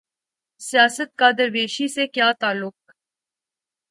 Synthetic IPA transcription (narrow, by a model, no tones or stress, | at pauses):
sijaːsət̪̚kaːd̪əɾʋeːʃisekjaːt̪aːlʊk̚